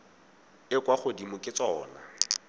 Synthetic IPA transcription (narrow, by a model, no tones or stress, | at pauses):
ɪkwaχʊdimʊkʼɪt͡sʼɔːna